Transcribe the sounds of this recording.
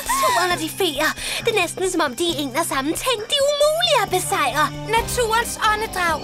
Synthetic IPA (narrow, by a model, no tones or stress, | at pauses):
t͡sʰṵːɐnɒd̥ife̝ːɐd̥e̝nesd̥n̩sɒ̽mɒ̽m̰d̥ieŋnɐsɑ̈mn̩t͡sʰe̝ŋ̰d̥iumṵːliæb̥e̝sɑ̈ɪ̰ɐ | næt͡sʰṵːɐnsɒ̽nəd̥ʁɑ̈ʊ̰